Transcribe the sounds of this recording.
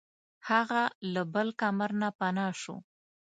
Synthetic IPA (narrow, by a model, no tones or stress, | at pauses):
haɣalabəlkamaɾnapanɑʃo̰